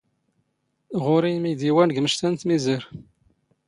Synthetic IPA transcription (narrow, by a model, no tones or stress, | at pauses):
ʁʊɾijmid̪iwænəɡməʃt̪ænt̪miziɾ